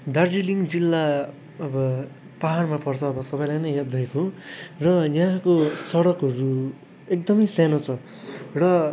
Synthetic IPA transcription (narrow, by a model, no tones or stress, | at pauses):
ɖard͡ziliŋd͡zilːa | ʌbʌ | paɦarmapʰʌrt͡sʰʌːbʌsʌbʌjlajnʌjɦad̪ʌjkʰorʌjãkosʌɽʌkɦʌɾu | ek̚d̪ʌmʌjsanot͡sʰʌ | rʌ